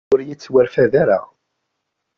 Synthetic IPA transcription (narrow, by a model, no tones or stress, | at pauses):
ʊɾjit͡sːwæɾfæðaɾa̰